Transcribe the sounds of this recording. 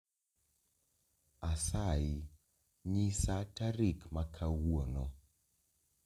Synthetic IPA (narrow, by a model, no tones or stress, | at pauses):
asaji | ɲisataɾikmakʰawonɔ